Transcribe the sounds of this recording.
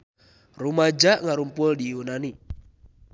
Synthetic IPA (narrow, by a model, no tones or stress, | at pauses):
rumad͡ʒaʔŋaɾumpuldiunani